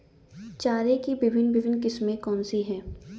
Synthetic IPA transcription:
t͡ʃaːɾekibɪbʱɪnbɪbʱɪnkɪsmẽkɔːnsiɦɛ̃ː

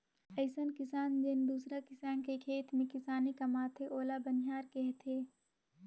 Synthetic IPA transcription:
əɪsənkɪsaːnd͡ʒɪnd̪uːsɾakɪsaːnkekʰeːt̪mẽkɪsaːnikɐmaːt̪ʰeʔoːlabənɦaːɾkeɦt̪ʰeː

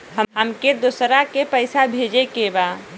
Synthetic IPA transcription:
ɦəɦəmked̪osɾakepəɪsabʱed͡ʒekeba

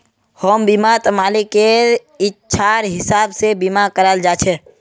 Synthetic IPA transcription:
həmbimat̪əmaːlikːe | ɪtːʃʰaɾɦɪsaːbsebimakəɾald͡ʒat͡ʃʰɛ

